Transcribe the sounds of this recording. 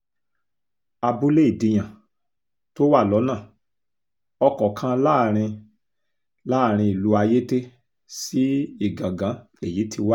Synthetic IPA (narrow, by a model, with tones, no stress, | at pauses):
a˧bu˦le˦i˦˨dĩ˧j̃ã˨ | to˦wa˦˨lɔ˨˦nãː˦˨ | ɔ˧kɔ˨kʰã˦la˦˨ɾ̃ĩ˧ | la˦˨ɾ̃ĩ˧i˨lu˧˦a˧je˦te˦ | si˦i˦˨ɡã˨ɡã˨˦ | e˨ji˨˦tʰi˧wa˦